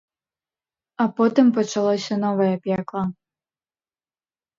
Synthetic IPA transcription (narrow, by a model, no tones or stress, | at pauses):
ɐpɔt̪ɨmpɐt͡ʂalˠɔsʲɐnɔvɐjɐpʲɛklˠɐ